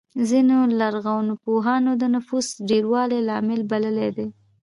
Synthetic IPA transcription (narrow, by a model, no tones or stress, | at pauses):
zinolaɾɣawnʊpoɦɑnod̪ənʊfusɖeɾwɑlelɑmɪlbaləled̪e